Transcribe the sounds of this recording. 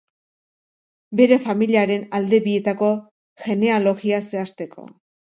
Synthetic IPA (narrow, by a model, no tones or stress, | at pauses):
be̞ɾe̞familiaɾe̞nald̪e̞βie̞t̪ako̞ | ʝe̞ne̞alo̞ɣiase̞ast̪e̞kʰo̞̰